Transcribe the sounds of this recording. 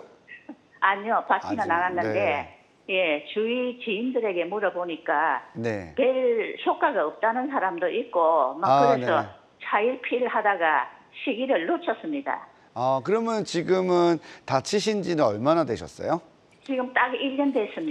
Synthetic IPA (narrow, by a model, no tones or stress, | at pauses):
aɲiopat͡ɕ͈ʰinanaɡanːɯnde̞ | je̞t͡ɕuit͡ɕiːndɯɾe̞ɡe̞muɾʌboɲik͈ane̞̰me̞ɭsʰok͈aɡaʌp̚t͈anɯnsʰaɾamdoʔit̚k͈omakkɯɾe̞sʰʌ | t͡ɕʰaiɭpʰiɾɯɭɦadaɡa | ɕʰiɡiɾɯɭːot͡ɕʰʌs͈ɯmɲida̰ | akɯɾʌmjʌnt͡ɕiɡɯmɯntat͡ɕʰiɕ̬ʰind͡ʑinɯnʌɭmanadweɕʰʌs͈ʌ̰jo | t͡ɕiɡɯmt͈aɡiʎːʌndwe̞s͈ɯmɲi